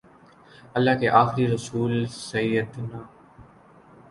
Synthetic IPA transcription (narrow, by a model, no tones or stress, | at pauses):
əlːaːkeːʔaːxɪɾiːɾəsuːlsəjːəd̪naː